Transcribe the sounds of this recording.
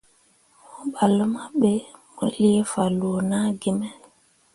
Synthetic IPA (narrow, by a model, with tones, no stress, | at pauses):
mu˦ɓa˨lə˦ma˦ɓe˦mu˨li˦e˦fa˨lu˨o˨na˦ɡi˦mɛ˦